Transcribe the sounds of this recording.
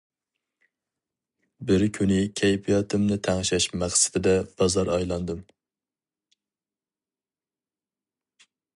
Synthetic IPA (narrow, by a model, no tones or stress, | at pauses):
bɪɾkʲʰynɪkʲʰɛjpʰijɑt̪ʰɨmnɪt̪ʰæŋʃɛʃmæχsɪ̥d̪ɪd̪ɛb̥ɑzɑɾɑjlˠɑnd̪ɨm